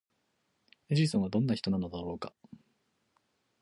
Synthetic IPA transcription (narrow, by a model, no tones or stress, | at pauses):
eʑisõβad̪õ̞nːaçʲi̥t̪o̞nano̞d̪aɾo̞ːka̰